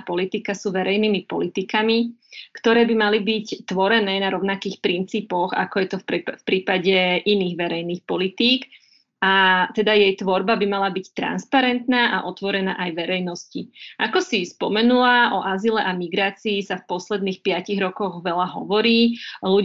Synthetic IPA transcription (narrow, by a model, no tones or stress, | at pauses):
pɔlit̪ikasuːʋɛɾɛjniːmipɔ̰lit̪ikamikt̪ɔɾɛːbimalibict̪ʋɔɾɛnɛːnaɾɔʊnakiːxpɾint͡siːpɔɣa̰kɔjɛt̪ɔfpɾiːpaɟɛʔiniːɣʋɛɾɛjniːxpɔlit̪iːk | at̪ɛd̪ajɛjt̪ʋɔɾbabimalabict̪ɾa̰nspaɾɛnt̪naːʔaʔɔt̪ʋɔɾɛnaːʔajʋɛɾɛjnɔsciʔakɔsispɔmɛnulaʔɔʔazilɛʔamiɡɾaːt͡siːsafpɔslɛd̪niːxpɪaciɣɾɔkɔɣʋɛlaɦɔ̰ʋɔɾiːlu